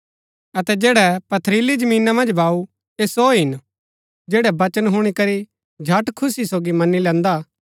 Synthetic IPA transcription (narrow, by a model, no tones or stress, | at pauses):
ɐt̪ɛd͡ʒeːɽɛpɐt̪ʰɾiːlid͡ʒɐmiːnãmɐ̃nd͡ʒbʱaːu | eːsoːɦɪn | d͡ʒeːɽɛbɐt͡ʃənɦʊɽ̃ikɐɾi | d͡ʒʱɐʈkʰʊsisoːɡimɐnːilɛ̃ːnd̪a